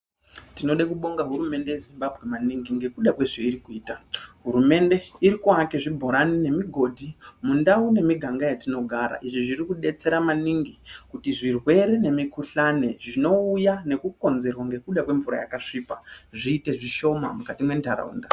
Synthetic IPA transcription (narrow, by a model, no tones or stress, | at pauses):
tino̞ɗekuɓo̞ŋɡaɦuɾume̞nde̞je̞zimbabʱɣe̞maniŋɡiŋɡe̞kuɗakwe̞ʐeiɾikuiːtaɦuɾume̞nde̞iɾikuake̞ʐibʱo̞ɾanine̞miɡʱo̞dʱimundaune̞miɡʱaŋɡajatino̞ɡʱaɾa̰ʔiʐiʐirikuɗe̞t͡se̞ɾamaniŋɡikutiʐirwe̞ɾene̞mikuɬaneʐino̞ujane̞kuko̞nze̞rwaŋɡe̞kuɗakwe̞ɱvuɾa̰ja̰kaʂipaʐiːte̞ʐiʃo̞ma̰mukatimwe̞ndʱaɾa̰ṵːnda